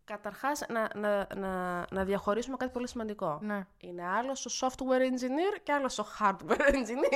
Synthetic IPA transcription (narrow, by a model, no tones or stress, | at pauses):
kɐt̪ɐɾxɐsnɐnɐnɐnɐðjɐxo̞ɾisume̞kɐt̪ipo̞lisimɐnd̪iko̞ne | ine̞ɐlo̞st̪osoft̪weɾenziniɾce̞ɐlo̞st̪o̞xɐɾd̪weɾend͡ʒini